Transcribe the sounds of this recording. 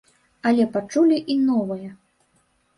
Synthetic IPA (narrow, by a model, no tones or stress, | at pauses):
ɐlʲɛpat͡ʂulʲiʔinɔvɐjɐ